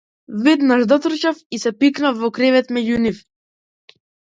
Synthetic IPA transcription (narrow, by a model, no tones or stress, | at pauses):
vɛd̪naʒd̪ɔt̪rɾ̩t͡ʃafisɛpiknafːɔkɾɛvɛt̪mɛɟunif